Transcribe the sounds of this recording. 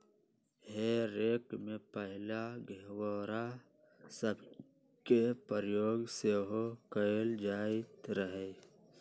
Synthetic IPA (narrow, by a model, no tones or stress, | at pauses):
heːɾeːkmẽpəɦɪlaɡeɦwɔːɾa | səb | kepəɾjoːɡseːɦokəjld͡ʒaːit̪ɾəɦe